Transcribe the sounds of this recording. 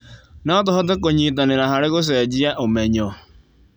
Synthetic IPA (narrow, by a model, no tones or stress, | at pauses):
nat̬ɔɦɔtɛk̬oɲit̬aneɾaɦaɾɪɣos̬ɛːd͡ʒɪaʔomɛɲɔ